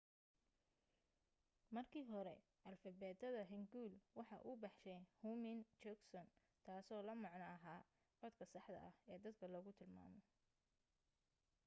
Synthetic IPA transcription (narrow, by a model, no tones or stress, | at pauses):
mɐrkʰiːɦɔɾɛ | ʔɐlfɐbɛːd̪ɐðɐɦɪŋɡuːlwɑħɑ̰ʔʊbɑħʃɛjhumɪnt͡ʃɔksɔn | t̪ʰaːsɔːlɐmɑʕnɐːɦaː | qɔd̪kʰɐsɑħd̪ɐ̰ʔɐhɛːd̪ɐd̪kʰɐlɔːɣʊt̪ʰɪlma̰ːmɔ